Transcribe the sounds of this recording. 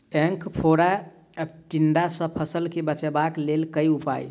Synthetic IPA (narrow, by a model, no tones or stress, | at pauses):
ẽŋkʰpʰoɾa | ʈiɳɖasə̃pʰəsəlkebət͡ʃɛbaklelkəjupa̰j